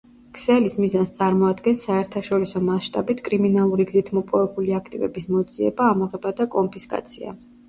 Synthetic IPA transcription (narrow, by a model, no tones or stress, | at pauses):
kʰsɛlismizanst̪sʼaɾmɔad̪ɡɛnsaɛɾt̪ʰaʃɔɾisɔmasʃt̪ʼabit̪ʰkʼɾiminalˠuɾiɡzit̪ʰmɔpʼɔvɛpuliakʰt̪ʼivɛbismɔd̪ziɛ̰baːmɔʁɛbad̪akʼɔmpʰiskʼa̰t̪sʰia̰